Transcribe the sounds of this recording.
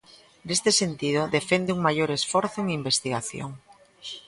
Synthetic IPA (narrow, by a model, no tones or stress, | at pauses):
nest̪esent̪ið̞oðefend̪ɪuŋmaʎoɾesfɔɾθʊeŋimbest̪iɣaθjo̰ŋ